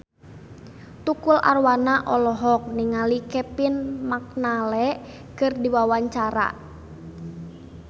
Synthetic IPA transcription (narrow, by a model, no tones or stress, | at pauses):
t̪ukula̰rwanaʔɔlɔɦɔk̚niŋalikɛpinmak̚nalɛ | kɨrdiwawaɲt͡ʃaɾa̰